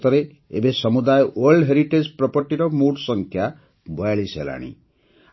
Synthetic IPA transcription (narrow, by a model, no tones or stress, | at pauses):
t̪ʌɾe | ḛbesʌmud̪ajwʌlɖɦeɾiʈed͡ʒprɔpɔʈiɾɔmuɽsʌŋkʰja | bɔjaɭisḛla̰ɽ̃ḭ